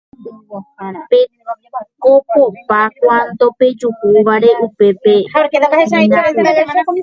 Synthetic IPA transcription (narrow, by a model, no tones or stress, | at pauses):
pe | kopopakwand̪ope̞d͡ʒuhuʋaɾeʔupe̞peaɾkeaaeʃaa